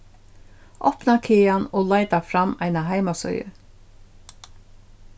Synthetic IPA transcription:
ʔɔpnakʰeːanoːlaɪt̪afɾamːaɪnaɦaɪmasœ̰ʏjə̰

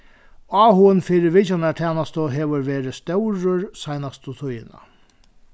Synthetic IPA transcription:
ɑːhʊənfiːɾɪʋɪt͡ʃanat̪ʰɛːnast̪əɦeːʋəɾʋeːɾɪst̪œwɾəɹsajnast̪ət̪ʰʊjɪna̰

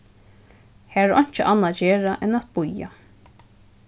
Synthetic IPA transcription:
hæːɹɔ̰ɲ̥t͡ʃɪʔanːad͡ʒeːɹaʔɛnat̪bʊja̰

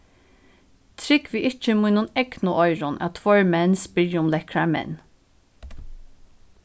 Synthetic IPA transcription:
t̪ʰɾɪkʋiːʔɪt͡ʃəmuːnuːnɛɡnʊʔɔʏɾʊnʔa̰t̪ʰvɔɹmɛnsbɪɹjəʊmlɛkɹamɛ̰n

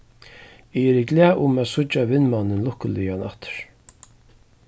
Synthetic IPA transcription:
ɪɛɾɪɡlæːʔʊmaːsʊt͡ʃːavɪnmawnːɪnlʊhkəlɪjanaht̪ə̥ɹ̥

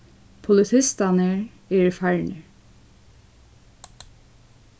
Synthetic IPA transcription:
pʰʊlɪt̪ʰɪst̪ɑnəɹ | eːɹfæɹɳə

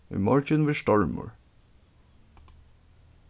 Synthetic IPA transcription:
ʏ̰mɔɹcənʋɪʃt̪ɔɹmʊ̰ɹ

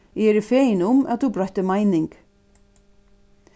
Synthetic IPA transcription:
ɛɛɾɪfɛːjɪnʊma̰ðθubɾɔht̪ɪmaːjnɪŋk

